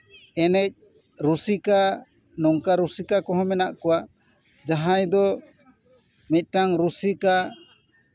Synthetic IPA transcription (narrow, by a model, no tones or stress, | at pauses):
ɛnɛc̚ | ɾusika | nɔŋkaɾusikakɔɦɔ̃mɛnaʔkɔwaʔ | d͡ʒaɦãjd̪ɔ | mit̪̚ʈaŋɾusika